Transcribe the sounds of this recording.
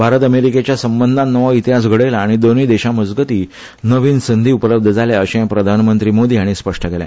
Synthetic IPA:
bʱaɾət̪əmeɾiket͡ɕjasəmbənd̪ʱanəʋait̪iɦas̬ɡʱəɽelaːɽ̃id̪oniːd̪eɕaməd͡zɡət̪iː | nəʋiːnsənd̪ʱiːupələb̚d̪ʱəd͡zaljaəɕẽpɾəd̪ʱanmənt̪ɾiːmod̪iːaɽ̃ispəʂʈəkelã̰

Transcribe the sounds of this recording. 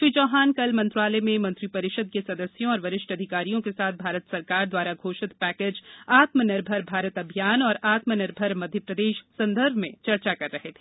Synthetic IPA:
ʃʋid͡ʒɔːɦaːnkɐlmɐ̃nt̪ɾaːlemẽmɐ̃nt̪ɾipɐɾɪʃəd̪̚kesɐd̪əsjõɔːɾʋɐɾɪʃʈʰɐd̪ʱɪkaːɾijõkesaːt̪̚ʰbʱaːɾət̪sɐɾkaːɾd̪waːɾaɡʱoːʃɪt̪pɛːkeːd͡ʒaːt̪mənɪɾbʱəɾbʱaːɾət̪ɐbʱjaːnɔːɾaːt̪mənɪɾbʱəɾmɐd̪ʱjəpɾɐd̪eːʃsɐ̃nd̪əɾbʱmẽt͡ʃɐɾt͡ʃakɐɾːɐɦet̪ʰeː

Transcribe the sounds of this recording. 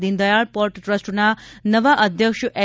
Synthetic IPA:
d̪ind̪əjaɭpɔɾʈʈɾəsʈnanəʋaʔəd̪ʱjəkʂʔɛ

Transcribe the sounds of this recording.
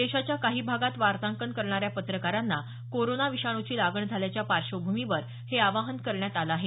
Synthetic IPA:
d̪eɕat͡ɕjakaɦiːbʱaɡat̪ʋaɾt̪ãŋkəɳkəɾɳaɾjapət̪ɾəkaɾanːa | koɾonaʋiɕaɽ̃ut͡ɕiːlaɡəɳd͡zʱaljat͡ɕjapaɾɕəbʱumiʋəɾ | heaʋaɦənkəɾɳjat̪alaːɦe

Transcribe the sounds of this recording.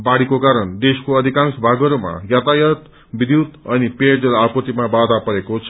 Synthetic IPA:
baɽikokaɾʌnd̪eskoʌd̪ʱikãnsbʱaɡʌɾoma̰jat̪ajʌt̪ | bid̪jut̪ʌniped͡zʌlapʌt̪imabad̪ʱapʌɾekot͡sʰ

